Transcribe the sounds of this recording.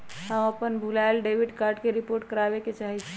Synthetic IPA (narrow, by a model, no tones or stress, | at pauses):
ɦə̃məpənbʱulaɪlɖebʱiɖkaɾɖkeɾipoɾʈ̚kəɾabeket͡ʃaɦit͡ʃʰɛ